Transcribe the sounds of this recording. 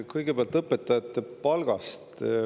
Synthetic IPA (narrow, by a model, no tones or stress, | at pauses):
kɤjɡ̥e̞peɑlt̪ˑɤpːˑet̪ːˑɑjɑt̪ˑːepɑlɡ̥ɑst̪